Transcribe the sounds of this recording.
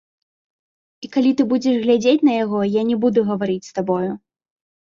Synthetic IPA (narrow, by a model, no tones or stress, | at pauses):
ikalʲit̪ɨbud͡zʲɛʂɣlʲad͡zʲet͡sʲnɐjaɣɔjanʲɛbud̪uɣɐvaɾit͡sʲst̪abɔju